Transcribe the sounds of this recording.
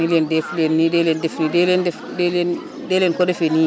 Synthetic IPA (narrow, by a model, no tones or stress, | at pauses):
ilendeflenːidelendefnidelende | delen | delenkodefeni